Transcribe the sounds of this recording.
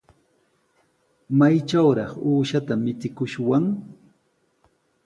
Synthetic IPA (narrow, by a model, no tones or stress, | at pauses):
majt͡ʃawɾɑχuːʃat̪amɪt͡s̪ɪkʊʃwaŋ